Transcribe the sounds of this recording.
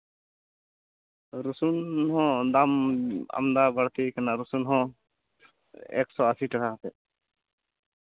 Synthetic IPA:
ɾusunɦɔ̃d̪ama̰md̪abaɽt̪ekanaɾusunɦɔ̃ | ɛ̰ksɔasiʈakʰaɦat̪ɛ

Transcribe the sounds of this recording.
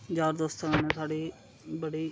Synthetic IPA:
d͡ʒaːɾd̪oːst̪ənẽːsaːɖiː | bəɽiː

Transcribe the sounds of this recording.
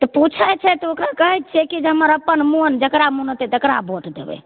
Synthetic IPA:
t̪ɔput͡ʃʰət͡ʃʰɛt̪ɔokɾakəɦɛjt̪̚t͡ʃʰɛkid͡ʒeɦəməɾəpːənmund͡ʒəkɾamunət̪ɛt̪əkɾa̰bʱoʈd̪ḛbɛ̰

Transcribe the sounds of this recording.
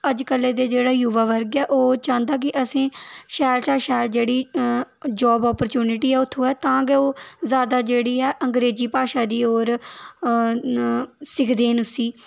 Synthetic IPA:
əd͡ʒkəlːeːd̪eːd͡ʒeːɽaːjuʋaːʋəɾɡɛːʔoːt͡ʃãːnd̪aːk̬ɪʔəsĩːʃɛːɾt͡ʃãːʃɛːɾd͡ʒeːɽiː | d͡ʒɔːbɔːpəɾt͡ʃuːnɪʈiːɛːʊt̪ʰːõːɛːt̪ãːɡeoːzaːd̪aːd͡ʒeːɽiːɛːʔəŋɡɾeːd͡ʒiːpaːʃaːd̪iːoːɾ | sɪkʰd̪eːnʊsiː

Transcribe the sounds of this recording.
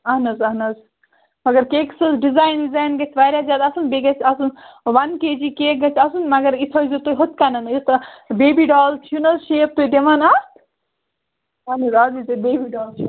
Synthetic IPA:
ɐɦnɐzɐɦnɐz | mɐɡɐɾkeːksɐsɖizaːjnizaːjnɡɐt͡ʃʲʰʋaːɾʲjazʲjaːd̪ɐsunbeɡɐt͡ʃʰɐsunʋɐnkeːd͡ʒikeːɡɐt͡ʃʰɐsunmɐɡɐɾit̪ʰozit̪oɦot̪kanɐnist̪ɐbeːbiɖaːlt͡ʃʰunɐzʃep̚t̪oːjd̪emɐnɐst̪ʰ | ɐɦnɐzɐzit̪ɐbeːbiɖaːlt͡ʃʰi

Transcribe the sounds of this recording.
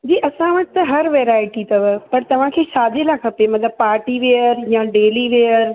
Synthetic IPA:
d͡ʑiːʔɐsãʋɐʈɪt̪ɐɦɐɾʋeːɾaːɪʈit̪ɐʋəpɐɾt̪ɐʋ̤ãkʰeːʃaːd̪ʱelakʰɐpemɐt̪ləbpaːɾʈiʋejəɾjãɖeːliʋejəɾ

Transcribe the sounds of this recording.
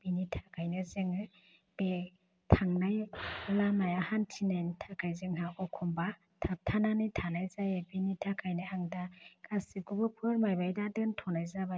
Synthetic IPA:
b̥initʰḁkʰajnɯzɯŋɯ | b̥e | tʰaŋnajlanajahantʰinajntʰakʰajzɯŋɦaɔkʰɔmba | tʰap̚tʰananijtʰanajzajebinitʰakʰajnɯaŋdaɡasikubɯpʰɯɾmajbajdadɯntʰɔnajzaba

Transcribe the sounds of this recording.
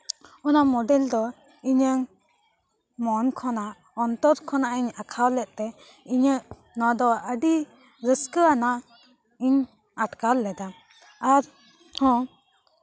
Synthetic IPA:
ɔnamɔɖɛld̪ɔ | iɲəŋ | mɔnkʰɔnaʔ | ɔnt̪ɔɾkʰɔnaʔiɲakʰawlɛʔ̪̚ˀt̪ɛ | iɲəʔ | nɔ̃d̪ɔəɖi | ɾəskəanaʔ | iɲ | aʈkalːɛd̪a | aɾ | hɔ̃

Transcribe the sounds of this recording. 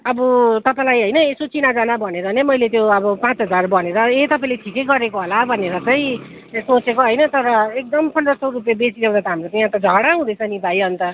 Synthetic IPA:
ʌbʌt̪ʌpãlajɦʌjnʌesot͡sinad͡zanabʱʌneɾʌnemʌjlet̪joʌbʌpãt͡sɦʌd͡zarbʌneɾʌet̪ʌpãĩleʈʰikejɡʌɾekoɦolabʱʌneɾʌt͡sʌĩ | sõt͡sʰekoɦʌjnʌt̪ʌɾʌek̚d̪ʌmsʌndʌsʌwrupebesid̪eaw̃d̪at̪ʌɦamrot͡saĩãt̪ad͡zʱʌɽaɦũd̪ʌt͡sʰʌnibʱajʌnt̪ʌ

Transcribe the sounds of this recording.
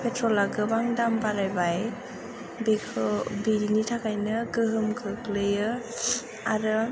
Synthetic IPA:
pʰetʰɾɔlaɡɯbaŋdambaɾajbaj | bekʰɯbiɾinitʰakʰajnɯɡɯɦɯmkʰɯklɯjɯ | aɾɯ

